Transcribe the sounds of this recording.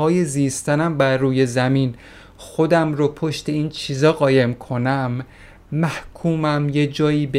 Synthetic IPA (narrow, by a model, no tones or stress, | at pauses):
ɒːje̞ziːst̪ʰænæmbæɾːuːje̞zæmiːn | xo̞d̪æmɾopʰoʃt̪ʰe̞iːnt͡ʃʰiːzɒːɣɒːje̞mkʰo̞næmː | æhkʰuːmæmje̞d͡ʒɒːjiːbe